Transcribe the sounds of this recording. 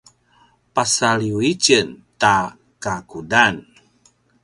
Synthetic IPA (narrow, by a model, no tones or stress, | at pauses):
pasaɭiuit͡ʃənta | kakudan